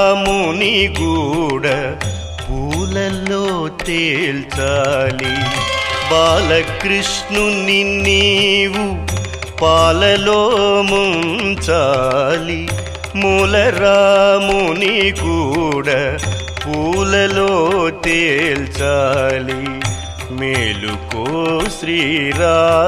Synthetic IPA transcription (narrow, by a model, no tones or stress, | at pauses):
muːnikuːɽa | puːlɐloːt̪eːlt͡ʃaːli | baːlɐkɾiʂnuninːiːwu | paːlɐloːmuɳt͡ʃaːli | muːlɐɾaːmunikuːɽa | puːlɐloːt̪eːlt͡ʃaːli | meːlṵkoːʃɾiːɾaː